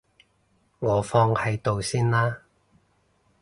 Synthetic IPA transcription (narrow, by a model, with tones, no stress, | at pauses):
ŋɔː˨˧fɔː˧ŋhɐ˨˧jt̪o˨wsiː˥nlaː˥